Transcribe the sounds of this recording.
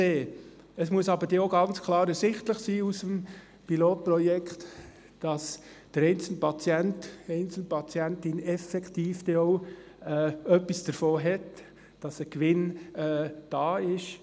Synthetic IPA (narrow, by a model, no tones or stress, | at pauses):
eː | əsmuəsɑbəɾd̥eːoɡɑnt͡skʰlɑːɾɛsɪχt̪ləχsiːusəm | piloːt̚pɾɔjɛkχt | d̥ɑs | d̥əɾɛɪnt͡sl̩pɑt͡sjɛntɛɪnt͡sl̩npʰɑt͡sjɛntɪnɛfɛktiːfd̥̪ɛoʊ | ɛːœpːisd̥əɾfoːɦɛt | d̥ɑsəkʋɪnɛːd̥ɑːɪʃ